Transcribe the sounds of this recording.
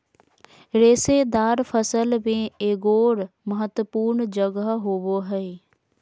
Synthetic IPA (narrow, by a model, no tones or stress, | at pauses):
ɾeːsed̪aːɾpʰəsəlbẽeːɡoːɾməɦət̪ːəpuːɾnd͡ʒəɡəɦɦoːʋoɦɛe